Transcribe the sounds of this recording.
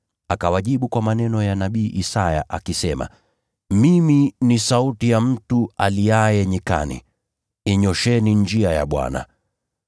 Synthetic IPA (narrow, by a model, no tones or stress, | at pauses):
akawaʄiɓukwamanɛnɔjanaɓiːʔisaja̰ʔakisɛma̰ | miminisautijam̩tualiajɛɲika̰nḭ | ɛɲɔʃɛniɲd͡ʒiaja̰ɓwa̰na̰